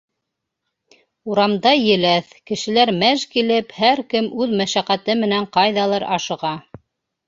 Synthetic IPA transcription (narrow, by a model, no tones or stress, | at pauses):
uɾɑmd̪ɑjɘ̆læθkɘ̆ʃɘ̆læɾmæʒkilɘphæɾkɘmʉðmæʃæqæt̪ɘmɘ̆næɴqɑjðɑlˠɑɾɑʃɤ̆ʁɑ